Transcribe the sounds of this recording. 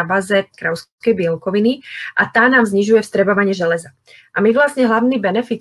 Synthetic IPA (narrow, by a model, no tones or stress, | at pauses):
bazɛkɾaʊs | kɛjbɪɛlkɔʋiniʔat̪aːnaːmzɲiʒujɛfst̪ɾɛbɔʋaɲɪɛʒɛlɛza | ʔamiʋlasɲɛɦlaʊniːbɛnɛfit̪